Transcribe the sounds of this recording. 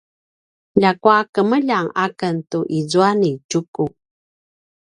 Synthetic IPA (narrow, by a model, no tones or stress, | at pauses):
ʎakwakəməʎaŋakəntuʔizuanit͡ʃuku